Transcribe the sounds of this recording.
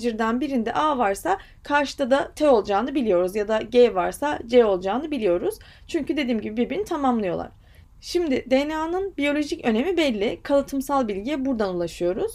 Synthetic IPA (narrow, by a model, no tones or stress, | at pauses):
iɾd̪ænbiɾind̪ɛ̰ʔaːvaɾsa | kʰaɾʃɯ̥d̪ad̪at̪ʰɛo̞lˠd͡ʒaːnɯbilʲijo̞ɾuzjad̪aɟɛvaɾsad͡ʒɛo̞lˠd͡ʒaːnɯbilʲijo̞ɾuz̥ | t͡ʃʰyɲcyd̪e̞d̪iːmɟibibiɾbinit̪ʰamamlˠɯjo̞lˠa̰ɾ̥ | ʃimd̪ɪd̪enaːnɯnbijo̞lʲo̞ʒicø̞ne̞mibɛlʲːɪkʰalˠɯt̪ʰɯmsalˠbilʲɟiɛbuɾd̪anulˠaʃɯjo̞ɾuz̥